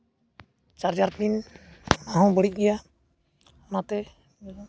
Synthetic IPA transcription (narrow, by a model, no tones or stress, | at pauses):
t͡ʃaɾd͡ʒaɾt̪in | aɦɔ̃bəɽic̚ˀɡɛja | mat̪ɛ